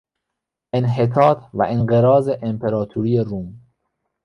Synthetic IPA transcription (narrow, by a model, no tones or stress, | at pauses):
ʔenɦet̪ʰɒːt̪ʰvæ̰ʔenɢeɾɒːzeʔempʰeɾɒːt̪ʰuɾiːjeɾuːm